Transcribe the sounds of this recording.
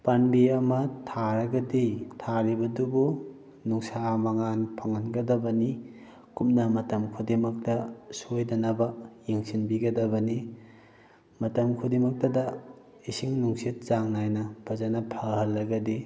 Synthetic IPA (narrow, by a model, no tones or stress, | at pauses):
panbiɐmɐtʰaɾɐɡɐditʰaɾibɐdubu | nuŋsamɐŋanpʰaŋɐnɡɐdɐbɐni | kup̚nɐmɐtɐmkʰudemɐk̚tɐsojdɐnɐbɐjeŋsinbiɡɐdɐbɐni | mɐtɐmkʰudemɐk̚tɐdɐ | isiŋnuŋsit̚zaŋnajnɐb̥ʰɐzanɐpʰaɦɐlːɐɡɐdi